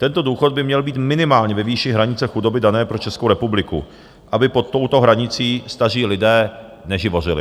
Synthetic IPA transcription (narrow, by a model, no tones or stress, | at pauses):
t̪ɛnt̪o̞duːxo̞t̪̚bɪmɲɛlbiːt̪mɪnɪmaːlɲɛvɛviːʃɪɦɾaɲɪt͡sɛxudo̞bɪdanɛːpɾot͡ʃɛskowɾɛpublɪkṵ | ʔabɪpo̞t̪ːo̞wt̪o̞ɦɾaɲɪt͡siːst̪ar̝iːlɪdɛː | nɛʒɪvo̞r̝ɪlɪ̰